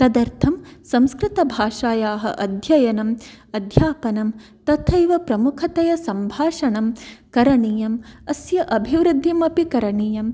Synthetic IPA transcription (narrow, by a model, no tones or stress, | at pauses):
t̪ɐd̪ɐɾt̪ʰɐmsɐ̃mskɾɪt̪ɐbʱaːʂaːjaːɦɐ̰ʔɐd̪ʱjɐjɐnɐmɐd̪ʱjaːpɐnɐm | t̪ɐt̪ʰɐjʋɐpɾɐmukʰɐt̪ɐjɐsɐmbʱaːʂɐɳɐmkɐɾɐɳiːjɐmɐsjɐʔɐbʱiʋɾɨd̪ʱːimɐpikɐɾɐɳiːjɐm